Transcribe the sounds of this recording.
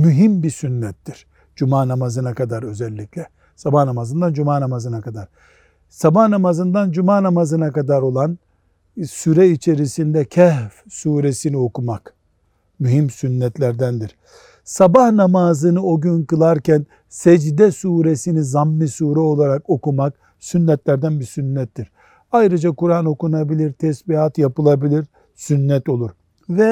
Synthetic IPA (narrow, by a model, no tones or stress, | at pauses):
myɦimbisynːɛt̪ːiɾ̥ | d͡ʒumaːnamazɯnakad̪aɾø̞zɛlʲːiclʲɛ | sabahnamazɯnd̪and͡ʒumaːnamazɯnakad̪aɾ̥ | sabahnamazɯnd̪and͡ʒumaːnamazɯnakad̪aɾo̞lˠan | syɾɛit͡ʃʰe̞ɾisind̪ɛcʰɛhfsuːɾesinio̞kumak | myɦimsynːɛt̪lʲæɾd̪ænd̪iɾ̥ | sabahnamaːzɯnɯo̞ɟynkɯlˠaɾcʰæn | sɛd͡ʒd̪ɛsuːɾesinizamːisuːɾɛo̞lˠaɾako̞kumak | synːɛt̪lʲæɾd̪ænbiɾsynːɛt̪ːiɾ̥ | ajɾɯd͡ʒakuɾano̞kunabilʲiɾt̪ʰɛsbiɦat̪japɯlˠabilʲiɾ | synːɛt̪o̞lˠuɾ | vɛ